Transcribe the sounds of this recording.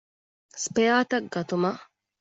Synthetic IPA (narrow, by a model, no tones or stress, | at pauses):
spejaːt̪ɐk̚ɡɐt̪umɐ